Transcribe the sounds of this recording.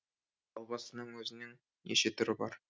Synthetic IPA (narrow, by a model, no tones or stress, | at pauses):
ɒlˠbɑsə̆nɤɴwɵzɘ̆nɘŋ | jḛɕet̪ʊ̆ɾɘbɒ̰ɾ